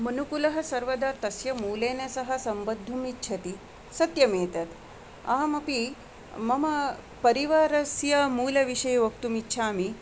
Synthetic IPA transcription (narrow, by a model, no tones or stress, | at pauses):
mɐnukulɐɦɐ̆sɐɾʋɐd̪aɾt̪ɐsjɐmuːleːnɐsɐɦɐsɐmbɐd̪ʱːumitːt͡ʃʰɐt̪i | sɐt̪jɐmeːt̪ɐt̪ | ɐ̰ɦɐmɐpi | mɐmɐ | pɐɾiʋaːɾɐsjɐmuːlɐʋiʂɐjɐʋɐk̚t̪umitːɕʰaːmi